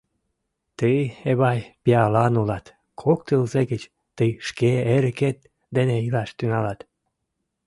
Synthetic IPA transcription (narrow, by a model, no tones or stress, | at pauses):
t̪əjeβɑjpiɑlɑnulɑt̪ | kʰokt̪əlzeɡət͡ɕ | t̪əjʃkeeɾəket̪̚ | d̪eneilɑʃt̪ynɑlɑt̪